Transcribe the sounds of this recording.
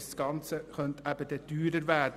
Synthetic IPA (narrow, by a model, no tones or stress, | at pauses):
sɡ̥ɑnt͡səχœnt̪ʰæb̥əd̥̪ɛd̥yːɾəɾʋæːd